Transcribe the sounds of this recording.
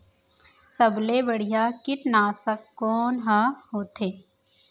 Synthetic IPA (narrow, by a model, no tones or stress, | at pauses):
səbleːbəɽɪjaːkɪʈ̪naːsəkːoːnɦaɦoːt̪ʰeː